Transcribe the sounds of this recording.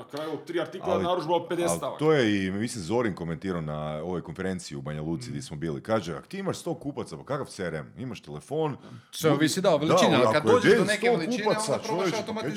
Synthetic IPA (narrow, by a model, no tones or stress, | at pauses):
nakɾaːjuot̪̚t̪ːɾiːaɾt̪ialaalnaɾuʒbaod̪̚ped̪elt̪at̪oːjeimisinzo̞ɾiŋko̞ment̪iːɾaonao̞ʋojkonfe̞ɾe̞nt̪siubaɲalˠuːt̪siɡd̪ʲjesmobiːlḭkaːʒea̰ko̥t̪iːimaʃst̪o̞kuːpat̪sapakakaʋt̪seɾemimaʃt̪ele̞fo̞ːnseʋisid̪aoʋeld̪aiaakooest̪okuppasat͡ʃojeae